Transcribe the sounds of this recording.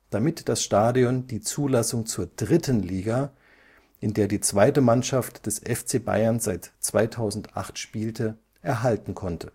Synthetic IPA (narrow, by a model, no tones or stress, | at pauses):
d̥amɪtd̥asʃtaːdiɔndiːt͡suːlasʊŋt͡suːɐd̥ʁɪtənliːɡa | ʔɪndeːɐdiːt͡sv̥aɪtəmanʃaftd̥ɛsʔɛft͡seːba̰ɪɐnz̥aɪtt͡sv̥aɪtʰaʊzn̩tʔa̰χtʃpiːltʰə | ʔɛɐɦaltn̩kʰɔntʰə